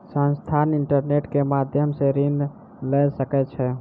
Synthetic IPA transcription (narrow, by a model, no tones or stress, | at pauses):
sə̃nst̪ʰaniɳʈəɾneʈkemad̪ʱjəmseɾin | ləsəkɛt͡ʃʰɛ